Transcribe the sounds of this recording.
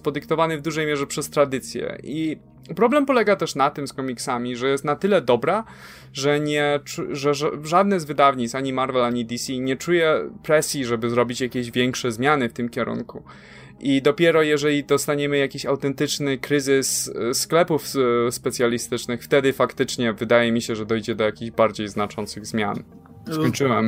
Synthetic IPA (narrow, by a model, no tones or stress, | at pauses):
pɔd̪ɘkt̪ɔvanɘvd̪uʐɛjmʲjɛʐɛpʂɛst̪ɾad̪ɘt̪sʲjɛ̰ʔi | pɾɔblɛmpɔlɛɡat̪ɛʂnat̪ɘmskɔmʲiksamʲiʐɛjɛst̪nat̪ɘlɛd̪ɔbɾa | ʐɛɲɛt͡ʂuʐɛʐad̪̚nɘzvɘd̪avɲit̪saɲimaɾvɛlaɲid̪isʲiɲɛt͡ʂujɛpɾɛsʲjiʐɛbɘzɾɔbʲit͡ɕjakʲeʑvʲjɛŋkʂɛzmʲjanɘft̪ɘmkʲɛɾṵŋku | ʔid̪ɔpʲjɛɾɔjɛʐɛlʲid̪ɔst̪aɲɛmɘjakʲiɕawt̪ɛnt̪ɘt͡ʂnɘkɾɘzɘssklɛpufspɛt̪sʲjalʲist̪ɘt͡ʂnɘxft̪ɛd̪ɘfakt̪ɘt͡ʂɲɛvɘd̪ajɛmʲiɕɛʐɛd̪ɔjd͡ʑɛd̪ɔjakʲiʑbaɾd͡ʑejznat͡ʂɔnt̪sɘɣzmʲja̰n | kɔɲt͡ʂɘwɛm